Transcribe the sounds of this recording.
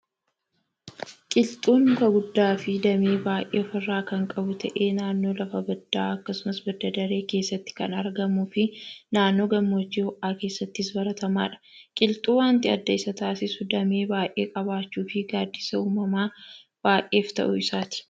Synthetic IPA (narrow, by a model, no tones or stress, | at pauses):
kʼɪlt̪ʼuːŋkɐɡʊd̪ːaːfɪd̪ɐmeːbaːjʔeːɔfɐrːaːkɐŋkʼɐbʊt̪ʰɐʔe̞ːnaːnːo̞ːlɐfɐbɐd̪ːaːɐkːɐsʊmɐsbɐd̪ɐd̪ɐɾe̞ːke̞ːsːɐt̪ːɪ̥kɐnɐɾɡɐmufɪnaːnːo̞ːɡɐmːo̞ːt͡ʃːiːhɔʔaːke̞ːsːɐt̪ːɪɪsbɐɾɐt̪ɐma̰ːᶑɐ̥kʼɪlt̪ʼuːwaːnt̪ɪɐd̪ːɐɪsɐt̪aːsɪsʊd̪ɐmeːbaːʔe̞ːkʼɐβaːt͡ʃːuːfɪɡaːd̪ːɪsɐuːmɐmaː | b̥aːʔe̞ːft̪ɐ̰ʔʊɪsaːt̪ɪ̥